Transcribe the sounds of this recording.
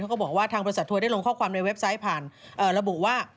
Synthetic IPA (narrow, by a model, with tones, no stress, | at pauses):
kɔ˥˩bɔ˨˩kwaː˥˩t̪ʰaː˧ŋbɔ˧˥sa˨˩t̪ʰːu˧da˥˩jlo˧ŋkʰɔː˥˩kʰwaː˧mna˧jwe˦˥p̚sa˦˥jpʰaː˨˩nʔɤː˨˩ɾa˧bu˨˩waː˥˩